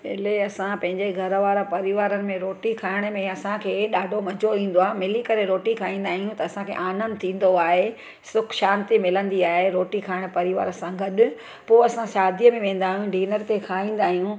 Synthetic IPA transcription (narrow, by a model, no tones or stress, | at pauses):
ɪleɐsãpɐ̃ɦɪ̃ɲd͡ʑeɡʱɐɾʋaːɾəpɐɾiʋaːɾənɪ̆mẽɾoːʈikʰaːɪɽ̃̆mẽɐsãkʰeːɗaːɖʱomɐd͡ʑʱoʋĩːn̆d̪oaːɦemɪlikɐɾeɾoːʈikʰaːĩːn̆d̪aːɦijũt̪ɐɐsãkʰḛːʔaːnə̃nt̪ʰĩːn̆d̪oaːɦe | sʊkʰʃaːnt̪imɪlə̃nd̪iaːɦeɾoːʈikʰaːɪɽ̃pɐɾiʋa̰ːɾəsãɡʱɐɗʊ̆ | poːɐsãʃaːd̪ijəmẽʋẽːn̆d̪aːɦijũɖiːnəɾt̪ekʰaːɦĩːn̆d̪aːɦijũ